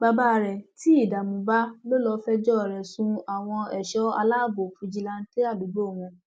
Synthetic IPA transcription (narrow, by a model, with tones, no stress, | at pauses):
ba˧ba˦ɾɛ˨ti˦i˦˨da˨mũ˨ba˦lo˦lɔ˧fɛ˦d͡ʒɔ˦˨ɾɛ˨sũ˧a˨w̃ɔ̃˧ɛ˨ʃɔ˨˦a̰˧la˦˨bo˨fu˧d͡ʒi˧la˧n̩˦te˦a˦˨lu˨˦ɡ͡bo˦˨w̃ɔ̃˧